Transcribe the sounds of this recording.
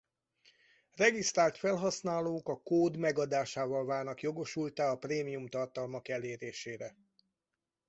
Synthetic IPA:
rɛɡist̪raːlt̪fɛlɦɒsnaːloːkɒkoːd̪mɛɡɒd̪aːʃaːvɒlvaːrnɒkjo̞ɡo̞ʃult̪aːɒpreːmijumt̪ɒrt̪ɒlmɒkɛleːɾeːʃeːɾɛ

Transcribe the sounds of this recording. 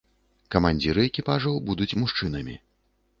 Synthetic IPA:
kɐmanʲd͡zʲiɾɨɛkʲipaʐɐwbud̪ut͡sʲmuʂt͡ʂɨn̪ɐmʲḭ

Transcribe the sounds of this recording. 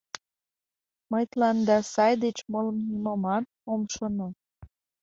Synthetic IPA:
məjt̪lɑnd̪ɑsɑjd̪et͡ɕmoləmnimomɑt̪̚omʃono

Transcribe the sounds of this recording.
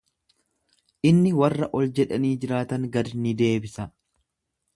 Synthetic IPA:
ʔɪnːɪwɐrːɐʔɔld͡ʒɛᶑɐniːd͡ʒɪɾaːt̪ɐŋɡɐd̪nɪd̪e̞ːbɪsɐ

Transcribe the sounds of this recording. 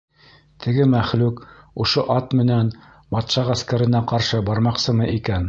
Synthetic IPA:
t̪ʰɘ̆ɡɘmæχlʉkŏʃoʔɑt̪mɘ̆næn | bɑt̪ʃɑʁæskæɾɘ̆næqɑɾʃɤbɑɾmɑqsɤmɤʔikæn

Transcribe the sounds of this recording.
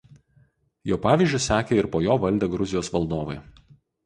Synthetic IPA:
joːpɑːʋʲiːˑzʲd͡ʒʲʊsʲæːkʲeɪɾpoːjoːʋɐlʲd̪ʲeɡɾʊzʲɪjoːsʋɐlˠd̪oːʋɐ̰ɪ

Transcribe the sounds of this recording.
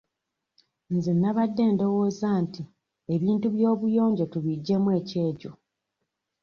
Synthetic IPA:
nzinːaβadːe̞ːndo̞woːzaːnti | eβiːntuβjo̞ːβujo̞ːɲɟetuβiɟːe̞mwe̞ːce̞ːco

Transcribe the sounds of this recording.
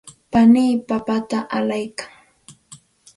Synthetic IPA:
paniːpapat̪aʔalajkaŋ

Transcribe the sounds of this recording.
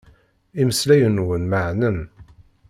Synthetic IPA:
iməslæjənwənməʕnən

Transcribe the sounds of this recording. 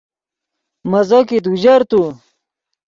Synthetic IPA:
mɐzokit̪̬uʑɐɾt̪u

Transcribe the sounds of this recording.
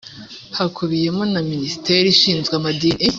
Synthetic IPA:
hakʰuβije̞monaminisi̥tʰe̞ːɾiʃiːnzɡamadiːni

